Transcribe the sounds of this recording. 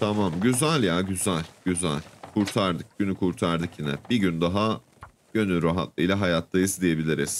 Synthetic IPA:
t̪ʰamamɟyzælʲjaɟyzælʲɟ̥yzæ̰lʲkʰuɾt̪ʰaɾd̪ɯk̚ɟ̥ynykʰuɾt̪ʰaɾd̪ɯkjinɛ̰biɟynd̪aɦa | ɟ̥ø̞nyɾaɦa̰t̪̚lˠɯjlʲaɦajat̪ʰlˠajɯzd̪ije̞bilʲiɾiz̥

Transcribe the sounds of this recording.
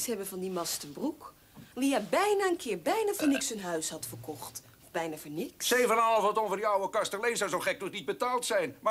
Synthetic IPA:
shɛbəvɔndimɑstəbruk | liabɛjnaənkʰɪərbɛjnavonɪksənɦœɥshɑtfərkɔxt | bɛjnafonɪkssejvənɑlˠfɔtonvərdiɑwəkɑstəlejsɔwzowχɛk̚nɔχnid̚bətaːlˠtsɛjnma

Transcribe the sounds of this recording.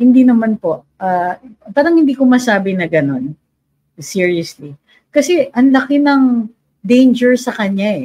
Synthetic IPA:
hɪnd̪iːnɐmanpo̞ʔ | ʔɐpaːɾɐŋhɪnd̪iːkomɐsaːbɪnɐɡɐno̞n | siɹiɐsli | kɐsɛʔɐŋlɐkɪnɐŋ | d̪ejnd͡ʒɛɹsɐkɐɲaɛ

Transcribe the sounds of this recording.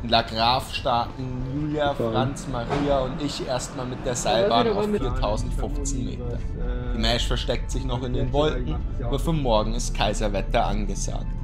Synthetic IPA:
ʔɪnlaɡʁaːfʃtaːtn̩juːjafʁ̥ant͡smaʁiːaʊntɪçʔeːɐstmaːlmɪt̚d̥eːɐzaɪbaːnaʊfffiːɐtʰaʊzn̩tfʊft͡snmḛːtɐ̰d̥iːmɛːʃfɛɐʃtɛk̚tz̥ɪçnɔχɪndeːnvɔlkŋ̩ʔʔaːbɐfyɐmɔɐɡŋ̩ɪstkʰaɪzɐvɛtɐʔa̰nɡəza̰ːk̚t

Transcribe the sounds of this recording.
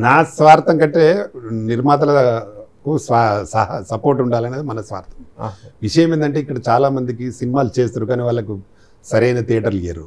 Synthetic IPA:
naːsʋaːɾt̪ɐŋkɐɳʈːe̞ːniɾmaːt̪ɐlɐkusʋaːsɐɦɐsɐpoːɾʈuɳɖaːlɐːneːd̪imɐnɐsʋa̰ːɾt̪ʰɐ̥mʋiʂɐjɐmend̪ɐɳʈeːikːɐɽɐt͡ʃaːlaːmɐnd̪ikisinimaːlut͡ʃe̞ːst̪aːɾukaːniːʋaːɭːɐku | sɐɾɐjnɐt̪iːʈɐɾlija̰ːɾu

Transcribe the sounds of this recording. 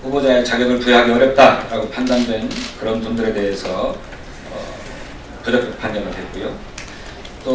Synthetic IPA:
hubod͡ʑaet͡ɕaɡjʌɡɯɭpujeɦaɡeʌɾjʌp̚t͈aɾaɡopʰandandwe̞nkɯɾʌnpondɯɾe̞de̞ɦe̞sʰʌ | ʌ̰ | pud͡ʑʌk̚ʰepʰanɡjʌnɯɭde̞t̚k͈ujo | t͈o

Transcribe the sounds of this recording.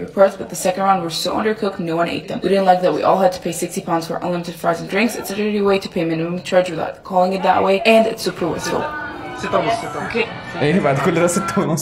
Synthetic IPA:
ɹɨpʰɔɹtsb̥ʌt̪̚ðɨsɛkɨ̃ndɹʌ̃nwə̥˞soʊʔʌ̰̃ndə˞kʰʊknoʊwʌ̃nḛɪt̪̚ðɨ̃mwiɾɪdⁿn̩ʔlaɪk̚ðɨt̚wḭʔɔ̰lˠɨd̚tʰə̥pʰeɪsɪkstipʰãʊ̃ndz̥fə̰˞ʔʌ̰̃nlɪ̃mɨɾɨd̥fɹaɪdzɨ̃n̩dɹɪ̃ŋksɨtsɨɾə˞iweɪɾɨ̥pʰeɪmɪ̃nɨmɨ̃mtʰɹ̥ʌd͡ʒwɨða̰ʊtkʰɔlˠɪ̃ŋɨt̪̚ðə̰ʔweɪʔɨ̃nɨtsupʰɹəwɪ̰sfl̩ˠ | oke | evaɪd̪ɨkoleɾɛsət̪ʰoñ

